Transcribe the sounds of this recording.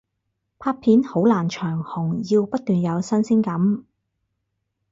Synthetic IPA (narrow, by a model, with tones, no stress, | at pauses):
pʰaː˧pʰiː˨˥nho˨˥wlaː˨˩nt͡ʃʰœː˨˩ŋhʊ˨˩ŋjiː˧wpɐ˥t̪̚yː˨njɐ˨˧wsɐ˥nsi˥ŋkɐ˨˥m